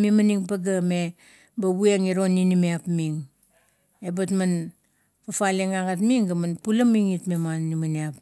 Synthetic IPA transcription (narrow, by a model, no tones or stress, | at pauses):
mimaniŋpaɡame̞ | baβueŋiɾo̞nːinimeapmiŋ | e̞batman | pafaleŋaŋatmiŋɡamanpulɐmiŋitmemanːimaniap̚